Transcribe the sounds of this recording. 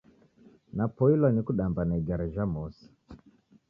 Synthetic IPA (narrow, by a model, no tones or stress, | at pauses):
napɔilwanikuɗambanaiɡaɾɛʒamɔsi̥